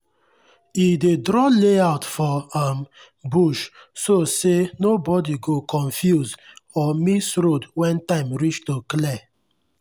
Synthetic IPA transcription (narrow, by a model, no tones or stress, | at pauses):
idedɾɔleaʊtfɔãm | buʃsosenobɔdiɡokʰɔ̃ɱfjuzɔmisɾodwɛ̃ntãɪ̃mɹit͡ʃtoklɛ